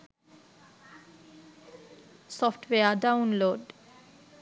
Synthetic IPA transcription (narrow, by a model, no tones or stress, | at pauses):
sɔfʈweadawnloɖ